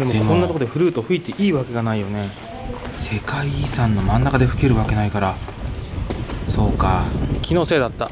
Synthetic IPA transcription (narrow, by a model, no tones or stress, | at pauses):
d̪emod̪emkõnːat̪ok̬od̪e̞ɸɯ̟ɾɯ̟ːt̪o̞ɸɯ̟it̪e̞ʔiːβake̞ɡanaijo̞ne̞ | se̞kaisãnːo̞mãnːakad̪e̞ɸɯ̟ke̞ɾɯ̟βake̞naikaɾa | so̞ːkakʲʰino̞se̞ːd̪at̪ːa